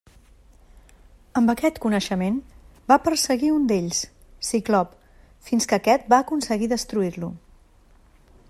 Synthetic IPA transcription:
əmbəkɛt̪kunəʃəmen | bapəɾsəɣiund̪eʎssiklɔp | finskəkɛt̪̚baːkunsəɣiðəst̪ɾuiɾlu

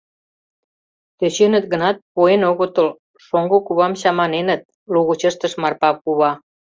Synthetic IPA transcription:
t̪øɕenət̪̚ɣə̆nɑt̪̚puenoɣot̪əl | ʃoŋɡokuβɑmɕɑmɑnenə̆t̪̚ | luɣut͡ɕəʃt̪əʃmɑrpɑkuβɑ

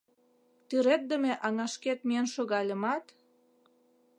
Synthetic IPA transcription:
t̪yɾet̪̚d̪əmeʔɑŋɑʃket̪̚mienʃoɣɑlʲə̆mɑt̪

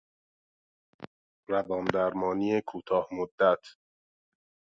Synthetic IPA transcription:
ɾævɒːnd̪æɾmɒːniːekʰuːt̪ʰɒːhmod̪ːæt̪ʰ

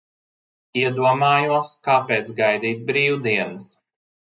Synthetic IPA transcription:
iɛd̪uɔmaːjuɔskaːpeːt̪sɡajd̪iːt̪̚bɾiːwud̪iɛnɨs

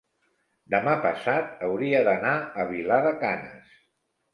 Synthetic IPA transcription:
d̪əmapəsat̪̚əwɾiəðənaəβ̞ilaðəkanə̰s

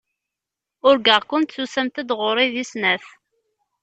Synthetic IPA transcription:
ʊɾɡəʁkʊnt̪susæmt̪æd̪ʁoɾˤiðisnæθ

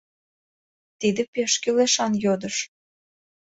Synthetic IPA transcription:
t̪id̪ĕpeʃkyleʃɑnjod̪ə̆ʃ

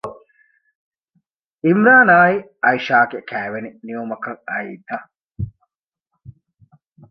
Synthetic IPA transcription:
imɾaːnaːi | ɐiʃaːɡekæːʋeniniomɐkɐŋɐḭːt̪ɐ

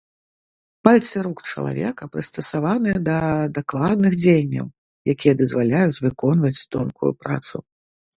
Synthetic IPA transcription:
palʲt̪sɨɾukt͡ʂɐ̰lˠa̰vʲɛ̰kɐpɾɨst̪ɐsavanɨjɛd̪ɐd̪aklˠad̪̚nɨxd͡zʲejnʲːɐ̰w | jakʲijɐd̪ɐzvalʲajut͡sʲvɨkɔnvɐt͡sʲt̪ɔnkṵjṵpɾa̰t̪sṵ

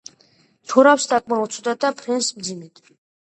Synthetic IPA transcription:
t̪ʰɔɾawsd̪akʼmaut̪sʰɔd̪ad̪apʰɾɛnsmd̪zimit̪ʰ

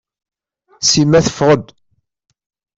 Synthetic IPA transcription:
simæθə̥fʁəd̪

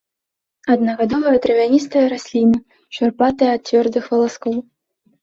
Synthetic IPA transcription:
ɐd̪nɐɣad̪ɔvɐjɐd̪ɾɨvʲanʲist̪ɐjɐɾasʲlʲimɨ | t͡ʂarpat̪ɐjɐɐt̪̚t͡sʲvʲɔrd̪ɨxvɐlˠaskɔw

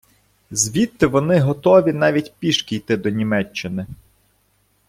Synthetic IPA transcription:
zʲʋʲit̪ːɪʋɔnɪɦɔt̪ɔʋʲin̪ɑʋʲitʲpʲiʃkʲijt̪ɪd̪ɔnʲimɛt͡ʃːɪnɪ

